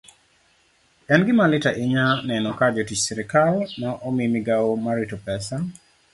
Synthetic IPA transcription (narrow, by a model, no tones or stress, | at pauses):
ɛnɡɪmalɪtaʔɪɲanɛnɔkad͡ʒotit͡ʃsɛɾɪkalnɔʔɔmimɪɡaomaɾitopɛsa